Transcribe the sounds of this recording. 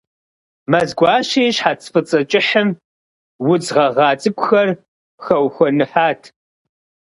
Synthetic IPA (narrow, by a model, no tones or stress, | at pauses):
mɐzɡʷɑːʃeːɕħaːt͡sʰfɨt͡sʼɐt͡ʃʼɪħəm | wʊd͡zʁɐʁɑːt͡sʼɨkʷʼʊxɐr | xɐwxʷɔnɨħaːtʰ